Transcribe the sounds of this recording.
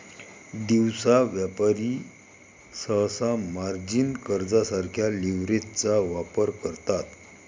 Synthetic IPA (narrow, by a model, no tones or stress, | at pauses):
d̪iwsaʋjapaɾi | səɦsamaɾd͡ʑinkəɾd͡zasaɾkʰjaliʋɾet̪t͡saʋapəɾkəɾt̪at̪